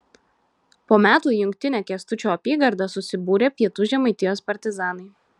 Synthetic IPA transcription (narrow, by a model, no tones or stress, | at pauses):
poːmʲæːt̪uːjʊŋʲkʲt̪ʲɪnʲækʲɛst̪ʊt͡ʃʲoːɐpʲiːɡɐɾd̪ɑsʊsʲɪbuːɾʲeːpʲiɛt̪uːʒʲɛmɐɪt̪ʲɪjoːspɐɾʲt̪ʲɪzɑːnɐɪ